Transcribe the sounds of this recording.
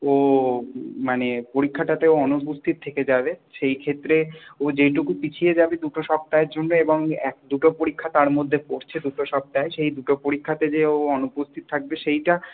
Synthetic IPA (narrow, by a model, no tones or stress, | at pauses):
o | manepoɾikʰːaʈat̪eoɔnupust̪ʰit̪ot̪ʰeked͡ʑabeʃejkʰet̪ːɾeod͡ʑeʈukupit͡ɕʰied͡ʑabed̪uʈoʃɔb̚t̪aeɾd͡ʑonːoeboŋɛ̰k̚d̪uʈopoɾikʰːat̪aɾmod̪ʱːepoɾt͡ɕʰed̪uʈoʃɔb̚t̪aeʃejd̪uʈopoɾikʰːat̪ed͡ʑeoɔnupost̪ʰit̪ot̪ʰak̚beʃejʈa